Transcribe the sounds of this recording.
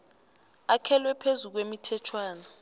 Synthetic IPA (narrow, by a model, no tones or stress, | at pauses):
akʰɛlwɛpʰezuk̬wemitʰɛtʰwaːna